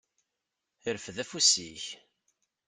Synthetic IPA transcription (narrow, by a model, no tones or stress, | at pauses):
əɾfðæfusiç